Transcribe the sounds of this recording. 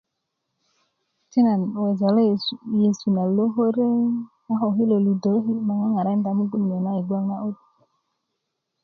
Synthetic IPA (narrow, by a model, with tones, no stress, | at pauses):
ti˦na˨nwe˨d͡ʒa˨lje˨su˨na˨lo˦ɦo˦ɾe˦ | a˦ɦɔ˨ɦi˦lo˨lu˨də˨˦ɦi˦ma˨ŋa˦ŋa˨ɾa˦n˦da˨˦mu˦ɡu˦nm˨e˨na˦i˨ɡwa˦ŋna˦ʔo˦t̚